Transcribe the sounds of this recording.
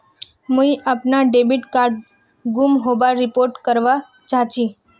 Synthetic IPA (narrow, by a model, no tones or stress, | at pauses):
mũiʔapnaɖebiʈkaɾɖ | ɡumɦoʋaɾipoɾʈkəɾʋa | t͡ʃãt͡ʃi